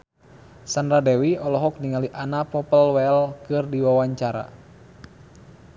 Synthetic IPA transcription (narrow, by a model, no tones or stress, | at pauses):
sandɾadɛwiɔlɔɦɔk̚niŋaliʔanapɔpəlwɛlkɨrdiwawaɲt͡ʃaɾa̰